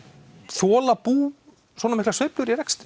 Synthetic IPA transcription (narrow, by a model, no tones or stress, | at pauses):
θɔːlapuː | swɔːnamɪhklasveɥplʏɾiɾɛkst̪